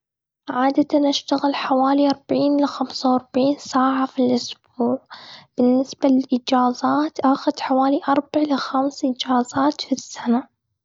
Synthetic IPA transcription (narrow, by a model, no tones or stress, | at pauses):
ʕaːd̪at̪anʔaʃt̪aɣɪlħawaːliʔɑɾˤbaʕiːnlaxamsawɑɾˤbʕiːnsaːʕafilʔʊsb̥uːʕb̥ɪnːɪsbalɪlʔɪd͡ʒaːzaːt̪ʔaxʊd̪ħawaːliʔɑɾˤbaʕlaxamsʔɪd͡ʒaːzˤaːt̪fisːana